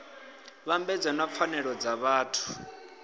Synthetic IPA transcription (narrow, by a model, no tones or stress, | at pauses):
βambɛd͡zanap̪fʰanɛɺɔd͡zaβaːtʰu̥